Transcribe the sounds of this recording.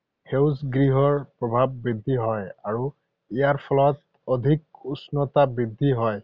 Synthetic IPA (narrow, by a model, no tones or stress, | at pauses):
hewsɡɹiɦɔɹpɹɔbʱabːɹid̪ʱːiɦɔjaɹu | ijaɹpʰɔlɔt | ɔd̪ʱik̚usnɔtabid̪ʱːiɦɔj